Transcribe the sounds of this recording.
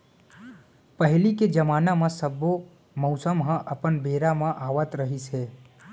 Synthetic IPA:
pəɦliked͡ʒəmaːnamãsəbo | mɔʊsəmɦə̃ʔəpənbeːɾamãʔaːʋət̪ɾəɦisɦeː

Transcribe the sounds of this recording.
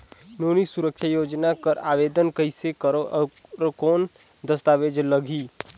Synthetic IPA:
noːnisuɾəkʃʰajoːd͡ʒnakəɾaːʋeːd̪ənkəisekəɾoɾkoːn | d̪əst̪aːʋeːd͡ʒləɡʱiː

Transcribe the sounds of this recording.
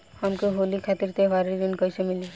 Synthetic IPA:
həmkoɦolikʰat̪iɾt̪ebaɾid̪ɪnkəisemɪli

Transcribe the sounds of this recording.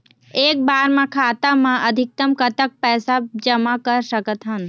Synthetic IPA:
eːk̚baːɾmẽkʰaːt̪amãʔəd̪ʱɪk̚t̪əmkət̪ək̚pɛːsad͡ʒəmakəɾsəkət̪ɦən

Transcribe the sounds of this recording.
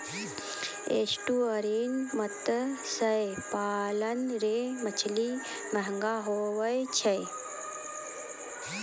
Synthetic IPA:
ḛːsʈuːɐɾiːnmɐt̪əsɐjpaːlɐnɾeːmɐt͡ʃʰli | mɐɦŋɡaːɦoːʋɐjt͡ʃʰɐj

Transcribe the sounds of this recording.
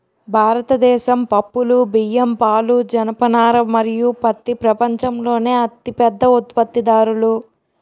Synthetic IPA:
bʱaːɾɐt̪ɐd̪ɛːʃɐmpɐpːulubijɐmpaːlud͡ʒɐnɐpɐnaːɾɐmːɐɾijupɐt̪ːipɾɐpɐɲt͡ʃɐmlo̞ːne̞ːɐt̪ipɛd̪ːɐut̪̚pɐt̪ːid̪aːɾulu

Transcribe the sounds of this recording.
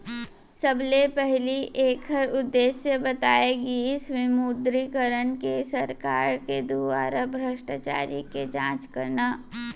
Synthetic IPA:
səblepɛɦliʔeːkɦəɾʊd̪ːeːʃjəbət̪aːeɡiɪsʋɪmud̪ɾikəɾənkesəɾkaːɾked̪uʋa̰ːɾabʱɾəʃʈat͡ʃa̰ːɾiked͡ʒãːt͡ʃkəɾnaː

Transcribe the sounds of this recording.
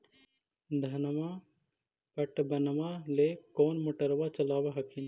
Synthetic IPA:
d̪ʱɐnma | pɐʈbɐnʋalekoːnmoʈəɾʋat͡ʃɐlaːʋaɦɐkin

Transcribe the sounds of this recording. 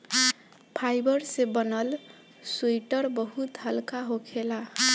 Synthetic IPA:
pʰajbəɾsebənəl | suiʈəɾbəɦut̪ɦəlkaɦokʰela

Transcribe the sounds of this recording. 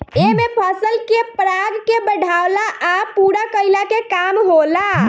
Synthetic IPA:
emepʰɔsəlkepɾaɡkebəɽʱawlaʔapuɾakəjlakekamɦola

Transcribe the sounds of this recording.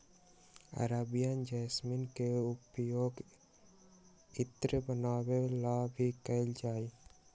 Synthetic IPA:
ə̰ɾabijand͡ʒɛːsminkeʊpjoːɡ | ɪt̪ɾəbənaːwelabʱikəld͡ʒaːiː

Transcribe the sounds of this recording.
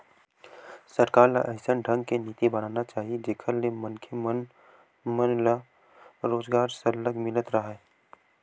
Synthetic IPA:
sɐɾkaːɾla̰ʔɛɦsənɖʱɐ̃ŋɡkeniːt̪ibɐɽ̤̃aːnat͡ʃaːɦied͡ʒeːkʰəɾlemɐnkʰemn | mənla | ɾoːzɡaːɾsəɾləɡmɪnət̪ɾɐɦeː

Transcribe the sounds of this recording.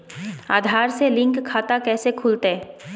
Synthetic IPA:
a̰ːd̪ʱaːɾselɪ̃ŋkkʰːaːt̪akɛːsekʰʊlt̪e

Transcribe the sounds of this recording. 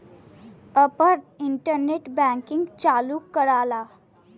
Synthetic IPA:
əpəɾiɳʈəɾneʈbæ̃ŋkiŋɡt͡ɕaluːkəɾala

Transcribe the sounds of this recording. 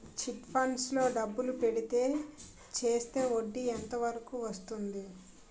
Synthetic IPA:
t͡ʃiʈpʰɐɳslo̞ːɖɐbːulupe̞ɽit̪e̞ː | t͡ʃe̞ːst̪e̞ːo̞ɖːient̪ɐʋɐɾɐkuʋɐst̪und̪i

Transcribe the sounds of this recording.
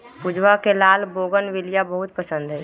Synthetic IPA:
pʊd͡ʒwakelaːlboːɡənʋɪlijabəɦʊt̪pəsə̃nd̪ɦɛː

